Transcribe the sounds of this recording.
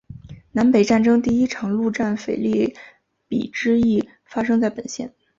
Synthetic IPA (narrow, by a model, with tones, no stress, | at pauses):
na˧˥npe˨˩ɪʈ͡ʂa˥˩nʈ͡ʂɤ˥ŋt̪i˥˩i˥ʈ͡ʂʰɑ˨˩ŋlu˥˧ʈ͡ʂa˥˩nfe˨˩ɪli˥˩ | pḭ˨˩ʈ͡ʂɻ̩˥i˥˩ | fa˥ʂ̬ɤ˥ŋt͡sa˥˩ɪpə˨˩nɕjɛ̰˥˩n